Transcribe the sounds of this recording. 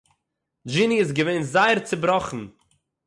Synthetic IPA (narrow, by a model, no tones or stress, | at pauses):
d͡ʒiniɪs̬ɡəveɪnzaɪəɾt͡sɪbɾɔχn̩